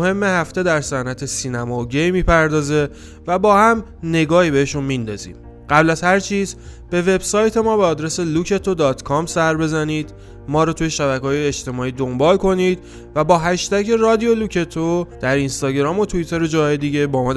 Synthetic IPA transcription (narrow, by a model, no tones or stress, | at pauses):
he̞mːe̞hæft̪e̞d̪æɾsænæt̪ʰe̞siːnæmɒːoɟejmiːpʰæɾd̪ɒːze̞ | væbɒːhæm | ne̞ɡɒːhiːbe̞heʃunmind̪ɒ̰ːzḭːm | ɢæblæzhæɾt͡ʃʰiːzb̥e̞ve̞bsɒːjt̪ʰe̞mɒːbeːd̪ɾese̞lucʰe̞t̪ʰo̞d̪ɒːt̪ʰkʰɒmsæɾbe̞zæniːd̪̥ | mɒːɾɔːt̪ʰuje̞ʃæβækʰːjeːʃt̪e̞mɒːiːd̪o̞mbɒːlkʰo̞niːd̪ | væbɒːɦæʃt̪æcʰe̞rɒːd̪ijo̞luːcʰet̪ʰod̪̥æɾinst̪ɒːɟeɾɒːmo̞t̪ʰuit̪ʰe̞ɾed͡ʒɒːɦɒːjed̪iɟe̞bɒːmɒː